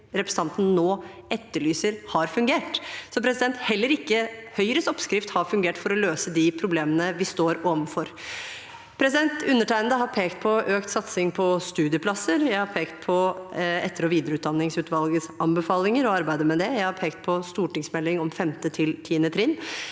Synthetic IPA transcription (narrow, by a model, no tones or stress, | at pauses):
ɾɛpɾɛsəɑnt̪n̩noː | ɛt̪ːəɭyːsəɾhɑɾfʉŋɡeːʈsɔpʰɾɛsɪd̪ɛnt̪hɛlːəɾɪkːəhœʏɾəsɔpskɾɪft̪hɑɾfʉŋɡeːʈfɔɾɔløːsəd̪ɪpʰɾʊbleːmənəʋɪst̪oːɾoːʋənfɔɾ | pʰɾɛsɪd̪ɛnt̪ʉnːəʈʰæɪənd̪əhɑɾpʰeːkt̪̚pʰɔʔøːkt̪sɑt̪sɪŋpʰɔst̪ʉːd̪ɪəpʰlɑsəɾjæɪhɑɾpʰeːkt̪̚pʰɔɛt̪ːəɾɔʋiːd̪əɾəʉːt̪̚d̪ɑnːɪŋsʉːt̪ʋɑlɡəsʔɑmbəfɑːlɪŋəɾɔɑɾbæɪd̪əmɛd̪ɛjæɪhɑɾpʰeːkt̪̚pʰɔst̪uːʈɪŋsmɛlːɪŋɔmfɛmt̪ət̪ʰɪlt̪ʰiːənət̪ʰɾɪnː